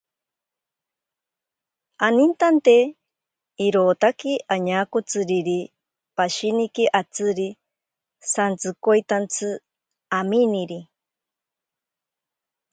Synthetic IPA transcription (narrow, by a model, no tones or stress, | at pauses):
anint̪ant̪e | iɾoːt̪akiʔaɲaːkot͡sɨɾiɾi | paʃinikiʔat͡sɨɾi | sant͡sɨkojt̪ant͡sʰɨ | aminiɾi